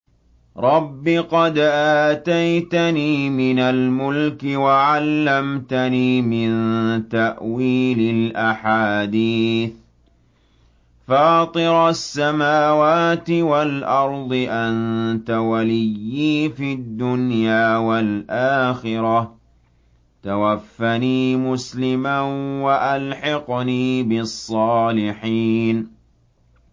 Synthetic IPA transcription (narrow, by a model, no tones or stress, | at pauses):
ɾˤɑbːiqɑd̪ʔaːt̪ajt̪aniːmɪnalmʊlkɪwaʕalːamt̪aniːmɪnt̪aʔwiːlɪlʔaħaːd̪iːθ | fɑːt̪ˤɨɾˤsːamaːwaːt̪ɪwalʔɑɾˤd̪ˤɨʔant̪awalɪjːiːfid̪ːʊnjaːwalʔaːxɪɾɑ | t̪awafːaniːmʊslɪmanwaʔalħɑqniːbɪsˤːɑːlɪħiːn